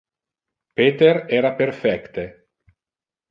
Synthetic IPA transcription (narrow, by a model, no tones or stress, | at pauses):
peːt̪eɾɛːɾaperfɛkt̪e